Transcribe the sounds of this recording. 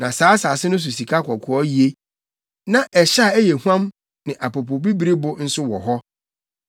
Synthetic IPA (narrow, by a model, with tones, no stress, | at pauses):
nã˨saː˨˦sa˨sɪ˦nʊ̃˦s̬u˨si˨kʰa˦kʰɔ˨kʰʊ˨ɔ˦ji˨e˦ | nã˨ʔɛ˨ɕa˦˨ɛ˦jɛ˨hu˦ã˦m | nɪ̃˨ʔa˨po˨pʰo˨bi˦bi˨˦ɾi˦bʊ˦n̩˦sʊ˦wɔ˨ɦɔ˦